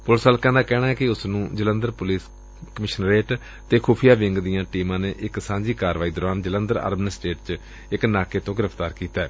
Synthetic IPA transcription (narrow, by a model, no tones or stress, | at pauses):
pʊlsaːlkãːnd̪aːkɛːnaːɦɛːkɪʊsnũːd͡ʒələ̃nd̪əɾpʊliːs | kəmɪʃənɾeːʈ | t̪eːkʰuːpʰɪjaːʋɪŋɡd̪ijãːʈiːmãːneːʔɪksãːɲd͡ʒiːkaːɾʋaːiːd̪ɔːɾaːnd͡ʒələnd̪əɾa̰ːɾbnɪsʈeːʈt͡ʃ | ɪknaːkeːt̪õːɡɪɾəpʰt̪aːɾkiːt̪aːɛː